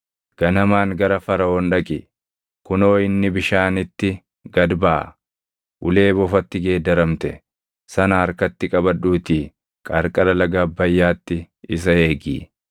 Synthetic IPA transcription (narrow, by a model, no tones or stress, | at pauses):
ɡ̥ɐnɐmaːŋɡɐɾɐfɐɾɐoːnᶑɐkʼɪ | kʊno̞ːɪnːɪbɪʃaːnɪt̪ːɪ | ɡɐd̪baː | ʔʊle̞ːbɔfɐt̪ːɪɡe̞ːd̪ɐɾɐmt̪ɛ | sɐnɐɐɾkɐt̪ːɪkʼɐbɐᶑuːt̪iː | kʼɐɾkʼɐlɐlɐɡaːbːɐjːaːt̪ːɪ | ɪs̬ɐeːɡḭː